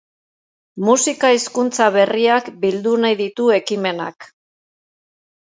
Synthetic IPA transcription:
musikaiskunt͡saβ̞e̞riakbild̪unajðit̪ue̞kime̞na̰k

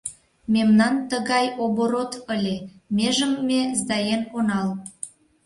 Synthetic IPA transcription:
mʲemnɑnt̪əɣɑjoboɾot̪əlʲemʲeʒəmːezd̪ɑjenonɑl

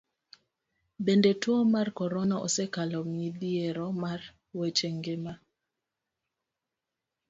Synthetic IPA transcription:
bendetwɔmarkɔɾɔnɔʔɔsɛkalɔmidieɾɔmar | wet͡ʃeŋɡema

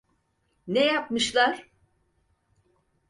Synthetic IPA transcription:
nejapmɯʃlˠaɾ̥

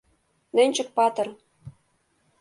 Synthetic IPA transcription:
nɘ̆nʲt͡ɕɘ̆k̚pɑt̪ɤ̆r

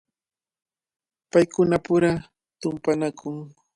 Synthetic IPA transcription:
pajkʊnapʊɾa | t̪ʊmpanakʰʊŋ

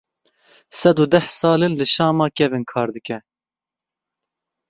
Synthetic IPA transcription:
sɛd̪ud̪ɛhsɑːlɨnlɨʃɑːmɑːkɛvɨnkʰɑːɾd̪ɨkɛ

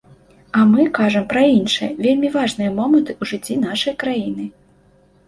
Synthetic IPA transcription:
ɐmɨkaʐɐmpɾɐinʂɨjɐvʲelʲmʲivaʐnɨjɐmɔmɐnt̪ɨuʐɨt͡sʲːin̪aʂɐjkɾajinɨ

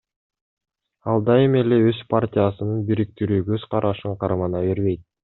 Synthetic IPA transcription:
ɑlˠd̪ɑeme̞le̞øzpʰartʲijasɯnɯnbiɾik̚t̪iɾyːɡø̞z̥qɑɾʔɑʃɯɴqʰɑɾmɑnɑβe̞ɾβe̞jt̪̚

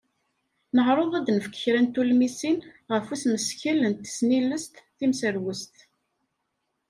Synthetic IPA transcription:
nəʁɾˤoðˤæd̪nəfə̥kːə̥çɾænt̪ulmisinʁəfuθməsçələnt̪ːə̥snilːəst̪θimsəɾwəst̪

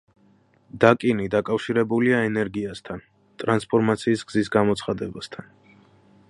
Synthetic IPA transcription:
d̪akʼinid̪akʼafʃiɾɛbuliaɛnɛɾɡiast̪ʰan | t̪ʼɾanspʰɔɾmat̪sʰiːsɡzisɡamɔt̪sʰχad̪ɛbast̪ʰan

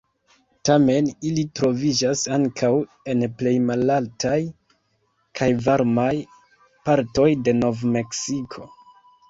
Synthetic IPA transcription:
tame̞nilitɾo̞vid͡ʒasaŋkʰaw | e̞nple̞jmalaltaj | kʰajvaɾmaj | paɾto̞jde̞no̞vme̞ksikʰo̞

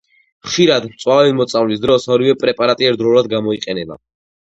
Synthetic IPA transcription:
χʃiɾad̪mt̪sʼwavɛlimɔt̪sʼavlisd̪ɾɔsɔɾivɛpʼɾɛpʼaɾat̪ʼiɛɾd̪ɾɔlad̪ɡamɔiqʼɛnɛba̰

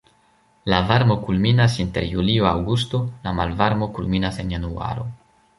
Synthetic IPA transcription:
lavaɾmo̞kulminasinteɾjulioawɡusto̞lamalvaɾmo̞kulminasenjanua̰ɾo̞̰

